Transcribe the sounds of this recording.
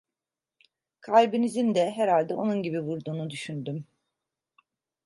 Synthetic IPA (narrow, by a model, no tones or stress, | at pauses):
kʰalʲbinizind̪ɛɦɛɾalʲd̪ɛʔo̞nunɟibivuɾd̪uːnud̪yʃynd̪ym